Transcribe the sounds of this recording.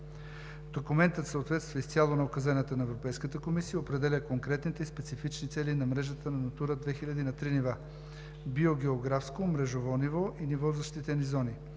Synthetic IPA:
d̪̥okumɛnt̪ət̪səot̪vɛt̪st̪vəist̪sʲalˠonɐokɐzanət̪ənɐɛvɾopɛjskət̪əkomisijəopɾɛd̪ɛlʲəkoŋkɾɛt̪nit̪ɛispɛt̪sifit͡ʃnit̪sɛlinɐmɾɛʒət̪ənɐnɐt̪uɾəd̪vɛxilʲɐd̪inɐt̪ɾiniva | bioɡɛoɡɾafskomɾɛʒovɔnivɔʔinivɔzɐʃt̪it̪ɛnizɔni

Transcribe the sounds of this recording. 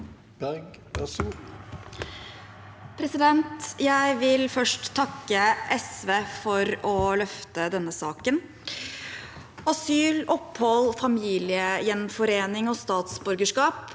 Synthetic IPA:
b̥æʁɡ | æsuː | pʰɾɛsɪd̪ɛnt̪jæɪʋɪlfœʂʈt̪ʰːɑkːəʔɛsʋeːfɔɾɔlœft̪əd̪ɛnːəsɑːkən | ɑsyːlɔphɔlfɑmiːlɪəjɛnfɔɾeːnɪŋɔst̪ɑːt̪sbʉɾɡəʂkɑːp

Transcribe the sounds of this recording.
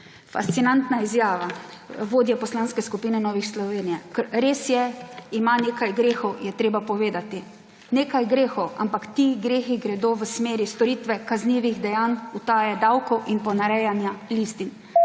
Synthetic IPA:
fa̰st̪sinant̪naizjaːʋaʋoːd̪jɛpɔslanskɛskupiːnɛnɔːʋixslɔʋeːnijɛkəɾɾeːsjɛimaneːkajɡɾeːxɔwjɛt̪ɾeːbapɔʋeːd̪at̪i | neːkajɡɾeːxɔwa̰mpakt̪iɡɾeːxiɡɾɛd̪oːʋəsmeːɾist̪ɔɾiːt̪ʋɛkazniːʋiɣd̪ɛjaːnut̪aːjɛd̪awkɔwʔinpɔnaɾɛjanjalist̪in

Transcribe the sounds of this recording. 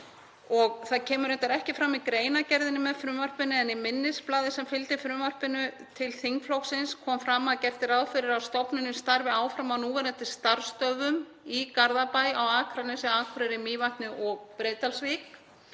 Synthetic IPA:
ɔɣθaðcʰɛːmʏɾɛnt̪aɾɛhcɪfɾamːikɾeːjnacɛɾðɪnʏmɛðfɾʏːmvar̥pɪnːɪɛnimɪnːɪsplaːðɪsɛmfɪlt̪ɪfɾʏmar̥pɪnʏ | t̪ʰɪlθiŋkflowksɪnskʰɔːmfɾamːaðcɛft̪ɪɾaðfɪɾɪɾawst̪ɔpnɪnːʏmst̪aɾvɪaːwfɾamaðnuːvɛɾant̪ɪst̪aɾ̥st̪œvʏm | ikaɾðapajawaːkʰɾanɛsɪaːkʰɾɪɾɪmiːvat̪nʏʔɔɣpɾeːjt̪alsvik

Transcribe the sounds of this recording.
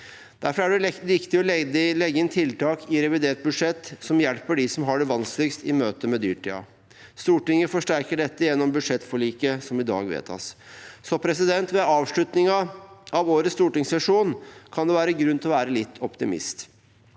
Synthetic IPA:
d̪̥æɾfɔɾæɖɛɾɪkt̪ɪɔld̪lɛɡːəɪnt̪ʰɪlt̪ɑːkʰɪɾɛʋɪd̪eːʈ̪̚bʉd̪ʂɛt̪ːsɔmjɛlpəɖɪsɔmɦɑɖɛʋɑnslɪɡst̪ɪmøːt̪əmɛd̪y̰ːʈʰḭːɑ̰ | st̪uːʈɪŋːəfɔʂʈæɾkəɖɛt̪ːəjɛnːɔmbʉd̪ʂɛt̪ːfɔɭiːkəsɔmɪd̪ɑ̰ːɡʋḛːt̪ʰɑ̰ssɔpʰɾɛsɪd̪ɛnt̪ʋɛɑːʋʂlʉt̪nɪŋɑɑʋoːɾəst̪uːʈɪŋssɛʂuːnkʰɑnd̪ɛʋæːɾəɡɾʉnt̪ɪlɔʋæːɾəlɪt̪ːʰɔpt̪ɪmɪ̰st̪

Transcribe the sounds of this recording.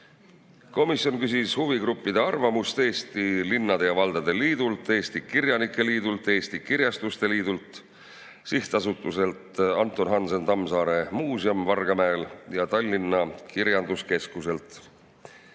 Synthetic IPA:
ko̞misjo̞nkysishuviɡɾupːid̪̥e̞ɑrvɑmust̪e̞ːst̪ilinːɑd̪e̞jɑvɑld̪̥ɑd̪̥e̞liːd̪̥ult̪ːˑe̞ːst̪ikirjɑnikːˑe̞liːd̪̥ult̪ːˑe̞ːst̪ikiɾjɑst̪ust̪e̞liːd̪̥ult̪ | siht̪ɑsut̪ːˑuse̞lt̪ɑnt̪ːˑo̞nɦɑnsent̪ɑmsɑːɾe̞muːsiɑmvɑrɡ̥ɑmæeljɑt̪ɑlʲːinːɑkiɾjɑnd̪̥uske̞skuse̞lt̪ˑ

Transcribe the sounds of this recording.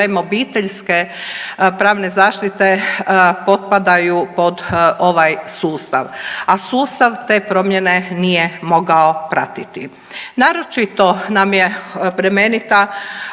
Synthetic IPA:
imobiːt̪eʎske̞ | pɾaːʋne̞zaːʃt̪it̪e̞po̞t̪̚pad̪ajupo̞d̪oʋajsuːst̪a̰ʋasuːst̪aʋt̪e̞ːpɾo̞mjenenijemo̞ɡao̞pɾat̪it̪i | naːɾo̞t͡ʃit̪o̞namjepɾemenit̪a

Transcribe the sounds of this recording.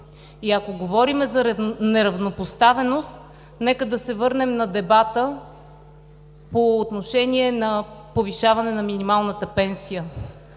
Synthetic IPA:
iɐkoɡovɔɾimɛzɐɾnɛɾɐvnopost̪avɛnost̪ | nɛkəd̪ɐsɛvɤɾnɛmnɐd̪ɛbat̪ə | poːt̪noʃɛniɛnɐpoviʃavɐnɛnɐminimalˠnət̪əpɛnsijə

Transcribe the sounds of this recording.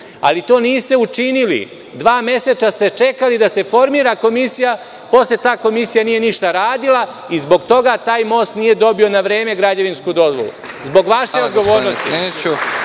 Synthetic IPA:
a̰lit̪o̞ːniːst̪e̞ut͡ʂinilḭ | d̪ʋaːmje̞set͡ʃast̪e̞t͡ʃekalid̪ase̞fo̞ɾmiːɾako̞misija | po̞slet̪aːko̞misijanije̞niʃt̪aɾaːd̪ila | izbo̞ɡt̪o̞ɡat̪aːjmo̞ːst̪nije̞d̪o̞bio̞naʋɾeːme̞ɡɾad͡ʑeʋinskud̪o̞zʋolˠṵ | zbo̞ɡʋaʃeod̪ɡo̞ʋo̞ːɾnost̪ḭeːt͡ɕu

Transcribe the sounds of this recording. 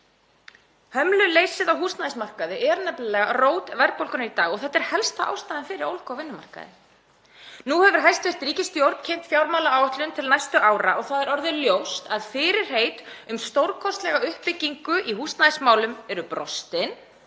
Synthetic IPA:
hœmlʏleːjsɪðawɦuːst̪naːɪsmar̥kaðɪʔɛɾnɛpllɛɣaroːwt̪vɛɾpowlkʏnait̪aːɣɔɣθɛt̪ːɛɾ̥hɛlst̪aʔa̰ːwst̪aːðɪnfɪɾɪɾowlkawvɪnːʏma̰r̥ka̰ðɪ̰ | nuhɛvʏɾ̥ɦajst̪ver̥t̪ɾiːcɪst̪jowɾt̪cʰejm̥t̪fjawɾmawlaaːwœht̪lʏnt̪ʰɪlnajst̪ʏʔaːwɾa̰ʔɔɣθaðɛɾɔɾðɪljowst̪aðfɪːɾɪɾ̥heːjt̪ʏmst̪owɾkʰɔst̪lɛɣaʏhpːɪcːiŋkʏʔihuːst̪naðɪsmaːwlʏmɛɾʏpɾɔst̪ɪn

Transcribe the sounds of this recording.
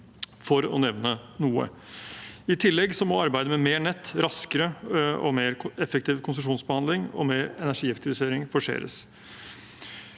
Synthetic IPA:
fɔɾɔ̰nɛʋnənuːə̰ | ɪt̪ʰɪlːɛɡsɔmɔɑɾbæɪd̪əmɛmeːɳɛt̪ːɾɑskəɾəɔ̰meːɾɛfək̚t̪ʰiːʋkʰʊns̬ʉʂuːnsbəhɑnd̪lɪŋɔ̰meːɾɛnæʂiːɑk̚t̪ɪʋɪseːɾɪŋfɔʂḛːɾə̰s

